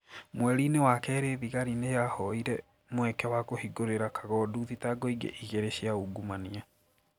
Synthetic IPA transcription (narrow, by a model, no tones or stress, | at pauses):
mwɛɾinewakɛːɾeðiɣaɾinejahɔiɾɛ | mwɛkɛwakohiɡoɾeɾakʰaɣɔːduðitaɡɔiɡḛʔiɣeɾeɕiauɡumania